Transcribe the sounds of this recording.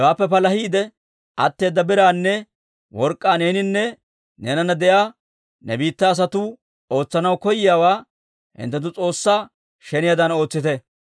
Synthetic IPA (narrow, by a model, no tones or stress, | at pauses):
waːpːɛpɐlɐhiːd̪ɛ | ʔɐ̰t̪ːe̞ːd̪ːɐbɪɾaːnːɛ | wɔɾkʼːaːne̞ːnɪnːɛ | neːnɐnɐd̪ɛjaː | nɛbiːt̪ːɐːs̬ɐt̪ʊ | o̞ːt͡sːɐnɐwkɔjɪjaːwaː | hɪ̰nt̪ːɛt̪̬ʊt͡sʼo̞ːsːaː | ʃɛnɪjad̪ɐno̞ːt͡sːɪt̪ɛ